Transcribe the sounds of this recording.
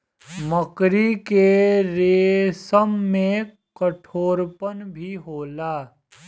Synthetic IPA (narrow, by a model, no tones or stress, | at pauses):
məkɾikeɾeːsəmːẽ | kəʈʰoːɾpənbʱiɦoːlaː